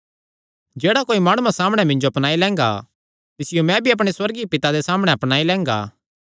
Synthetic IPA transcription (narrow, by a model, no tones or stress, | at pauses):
d͡ʒeːɽakoːimaːɽ̃uãsaːməɽ̃ɛmɪ̃ɲd͡ʒoɐpnaːilɛ̃ːŋ̆ɡa̰ | t̪ɪsɪjomɛ̃bʱiɐp̬ɽ̃eswɐɾɡipɪt̪ad̪esaːmɽ̃ɛɐpñaːilɛ̃ːŋɡa̰ː